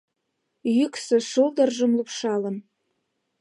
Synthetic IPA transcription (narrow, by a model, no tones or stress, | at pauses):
jyksɘ̆ʃulˠd̪ɤ̆rʒə̆mlupʃɑlɤ̆n